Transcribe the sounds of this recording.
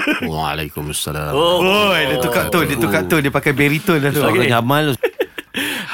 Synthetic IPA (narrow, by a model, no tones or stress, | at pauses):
a̰lakumasːa̰laojdit̪ukaʔt̪ʊdit̪ukaʔt̪ʊdiəpakajbeɾit̪ʊdakaɲamãnlo